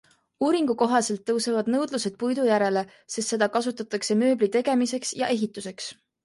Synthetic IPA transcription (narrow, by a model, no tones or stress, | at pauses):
uːɾiŋɡ̥uko̞ɦɑse̞lt̪ːɤwse̞vɑd̪̥nɤwd̪luse̞d̪̥̚pujd̪ujæɾe̞le̞ | sest̪ːse̞d̪̥ɑkɑsut̪ːˑɑt̪ːˑɑkse̞mø̞ːblit̪e̞ɡ̥e̞mise̞ksjɑʔe̞ɦit̪ːˑuse̞ks